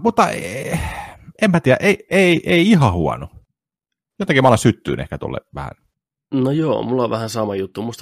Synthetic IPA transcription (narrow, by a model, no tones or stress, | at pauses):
mut̪ːɑ̰ | emmæt̪iːjæʔeieiʔeiiɦɑhuɑ̰nu | jot̪ːˑɑkimɑˑolːˑɑsyt̪ːy̰ːnʔḛhkæt̪o̰lːḛʋæ̰hæ̰n | nojoːmulːɑʋʋæhænsɑmɑjut̪ːumust̪